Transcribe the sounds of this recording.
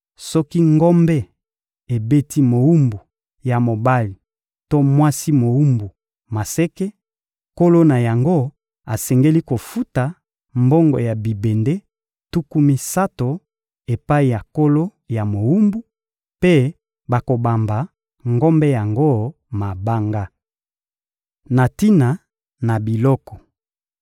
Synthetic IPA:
sɔ˦ki˦ŋɡɔ˦mbɛ˦ | e˨be˦ti˦mo˨wu˦mbu˨ | ja˨mo˨ba˦li˨ | to˦mwa˦si˦mo˨wu˦mbu˨ | ma˨sɛ˦ke˦ | ko˦lo˦na˨ja˨ŋɡo˦ | a˨sɛ˨ŋɡe˦li˦ko˨fu˦ta˨ | mbo˦ŋɡo̰˨ja˨bi˨be˨nde˦ | tu˦ku˦mi˦sa˦to˨ | e˨pa˦i˨ja˨ko˦lo˦ | ja˨mo˨u˦mbu˦ | pe˦ | ba˨ko˨ba˨mba˨ | ŋɡo˦mbɛ˦ja˨ŋɡo˦ | ma˨ba˦ŋɡa˦ | na˨ti˦na˨ | na˨bi˨lɔ˦kɔ˨

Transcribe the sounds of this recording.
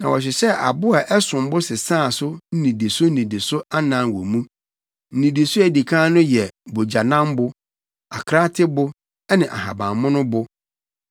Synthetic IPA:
nã̰˨wɔ˨ɕ̬ᶣɪ˨sɛ˦a˨bʊ˦a˨ʔɛ˦sʊ̃˨m˦bʊ˦sɪ˨sãː˦˨sʊ˦n̩˦nĩ˨di˨sʊ˦n̩˦nĩ˨di˨sʊ˦a˦nã˦n˨wo˨mũ˦ | n̩˦nĩ˨di˨sʊ˦æ˨di˨kʰãː˦nʊ̃˦jɛ˨bo˨d͡ʑa˨nã˦mbʊ˦ | a˨kʰɾa˦tʰɪ˦bʊ˦ | ɛ˦nɪ̃˨ʔa̰˨ɦa˨bã˨mmːʊ̃˦nʊ̃˦bʊ˦

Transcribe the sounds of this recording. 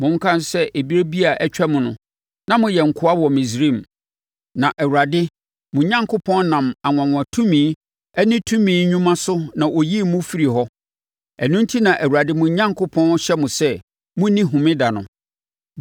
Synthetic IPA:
mʊ̃˨˦ŋ̩˦kʰã˦n˦sɛ˦ʔe˨bi˦ɾe˦bi˦a˨ʔɛ˦t͡ɕᶣɛ˦mʊ̃˨nʊ̰̃˨ | nã˦mʊ̃˨jɛ˨ŋ̩˨kʰʊ˨˦a˦wɔ˨mĩ˨s̬ɾi˦˨m | nã˨ʔɛ˨wu˨a˨dɪ˦ | mʊ̃˨˦ɲã˦ŋkʰʊ˦pʰɔ̃˦nnã˨ma˨ŋʷ˨ã˨ŋʷ˨ã˨tʰũ˦mĩː˨˦ | ɛ˦nɪ̃˦tʰũ˦mĩː˦ɲũ˦mã˦sʊ˦nã˨ʔo˨ji˦mʊ̃˦fi˦ɾi˨ɦɔ˦ | æ˨nũ˦n˦tʰi˦nã˨ʔæ˨wu˨ɾa˨dɪ˦mʊ̃˨˦ɲã˦ŋkʰʊ˦pʰɔ̃˦n˦ɕɛ˦mʊ̃˨sɛ˦ | mʊ̃˦nĩ˦ɦʊ̃˨mɪ̃˦da˨nʊ̰̃˨

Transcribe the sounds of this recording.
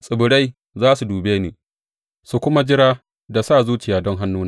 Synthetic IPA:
sʼɪ˨bʊ˨ɽa˦j | zaː˦su˨duː˨beː˦niː˨ | su˨kʷʊ˦ma˦d͡ʒɪ˦ɾaː˦ | da˨saː˦˨zuː˦t͡ʃɪ˨jaː˨dɔ˦ŋɦa˦nːuː˦na˦

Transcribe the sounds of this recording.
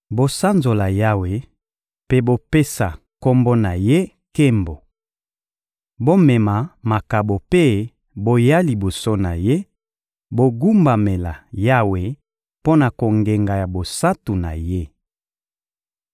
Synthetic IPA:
bo˦sa˦nzo˨la˨ja˦we˨ | pe˦bo˦pe˦sa˨ | ko˦mbo˦na˨je˦ | ke˦mbo˨ | bo˦mɛ˨ma˨ma˨ka˨bo˨pe˦ | bo˦ja˦li˨bo˨so˦na̰˨je˦ | bo˦ɡu˦mba˨me˨la̰˨ja˦we˨ | po˦na˨ko˨ŋɡe˨ŋɡa˨ja˨bo˨sa˦tu˨na̰˨je˦

